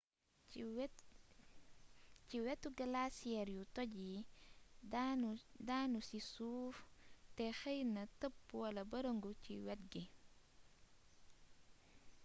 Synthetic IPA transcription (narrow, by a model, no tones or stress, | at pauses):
ciwɛtːuɡɐlasiɛɾjutɔɟi | danusisuːftɛxɐjnɐtəpːuwɐlɐbɐɾəŋɡucḭwɛt̚ɡi